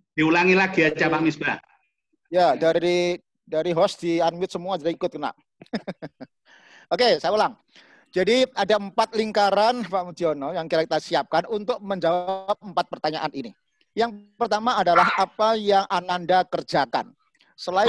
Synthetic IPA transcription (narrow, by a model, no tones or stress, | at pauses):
d̥iulaŋilahɡ̥iat͡ʃapaʔmisba | jadaɾi | daɾiɦɔsd̥ianwɪt̪̚səmuad͡ʒadaikʊt̪̚kəna̰ʔ | okesajaulaŋ | d͡ʒadiadaəmpat̪̚liŋkaɾanpaʔmud̪iɔnɔjaŋkiɾakit̪asiap̚kanunt̪ʊk̚məɲd͡ʒawap̚əmpat̪̚pərt̪aɲaʔanini | jaŋpərt̪amaːdalaɦʔapajaŋʔanandakərd͡ʒaka̰n | səlaɪ